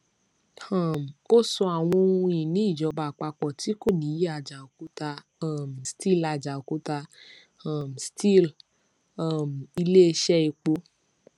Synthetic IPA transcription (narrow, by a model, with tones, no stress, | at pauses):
ã˨m˨o˦sɔ˧a˨w̃ɔ̃˧ĩ˨nĩ˨˦i˦˨d͡ʒɔ˧ba˨k͡pa˧k͡pɔ˨ti˨˦ko˦˨nĩ˨˦ji˦a˧˨d͡ʒa˨o˨ku˦ta˧˨ | m˨sti˦˨la˧d͡ʒa˨o˨ku˦ta˧ | a˨m˨sti˦˨l | a˨m˨i˧le˦e˧˦ʃɛ˦i˨˧k͡po˧